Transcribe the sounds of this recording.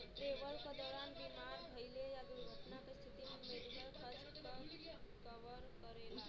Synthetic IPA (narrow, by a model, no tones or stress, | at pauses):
ʈɾeʋəlkad̪ɔɾanbimaɾbʱəjlejad̪uɡʱəʈnakest̪ʰit̪imemeɖikəlkʰəs | kə | kəʋəɾkəɾel